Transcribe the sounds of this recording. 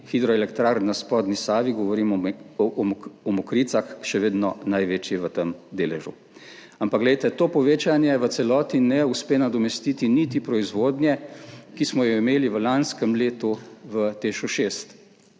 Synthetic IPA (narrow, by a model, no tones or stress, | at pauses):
xid̪ɾɔɛlɛkt̪ɾaɾnaspɔːd̪nisaːʋiɡɔʋɔɾim | ɔmɔkɾiːt̪saxʃɛʋeːd̪nɔnajʋeːt͡ʃjɛʋət̪əmd̪eːlɛʒṵ | ampaɡlɛjt̪ɛt̪oːpɔʋeːt͡ʃanjɛʋət̪sɛlɔːt̪inɛuspeːnad̪ɔmɛst̪it̪init̪ipɾɔizʋoːd̪njɛkismɔjɔimeːliʋəlanskəmleːt̪uʋət̪eʃuʃeːst̪